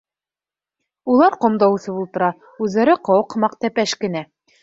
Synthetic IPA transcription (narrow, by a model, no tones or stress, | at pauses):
ulˠɑɾqŏmd̪ɑwsɤbulˠt̪ɤ̆ɾɑ | ʉðːæɾɘqowɤqmɑqt̪æpæʃkɘ̆næ